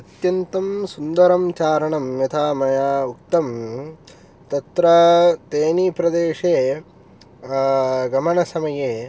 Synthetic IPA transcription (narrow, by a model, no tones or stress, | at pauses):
ɐt̪jɐnt̪ɐmsund̪ɐɾɐmt͡ʃaːɾɐɳɐmjɐt̪ʰaːmɐjaːuk̚t̪ɐm | t̪ɐt̪ɾɐt̪eːnipɾɐd̪eːʂeː | ɡɐmɐɳɐsɐmɐjeː